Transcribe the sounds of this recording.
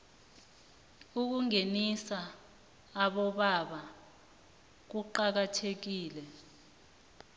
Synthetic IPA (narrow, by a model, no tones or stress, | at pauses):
uk̬uŋenisaː | ɓɔɓaɓa | k̬uǃak̬atʰek̬iːlɛ